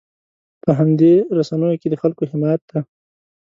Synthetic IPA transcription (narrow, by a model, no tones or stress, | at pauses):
pəɦamd̪eɾasanəjoked̪əxalkoɦɪmɑjat̪̚d̪a